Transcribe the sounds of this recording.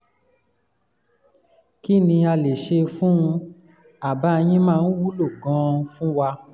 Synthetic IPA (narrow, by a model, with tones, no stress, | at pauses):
ki˦˨nĩ˧a˧le˨ʃe˧fũ˦ũ˧ | a˨ba˦˧j̃ĩ˦mãː˦˧˦n̩˦wu˦lo˦˨ɡɔ̃˧˦fũ˦wa˧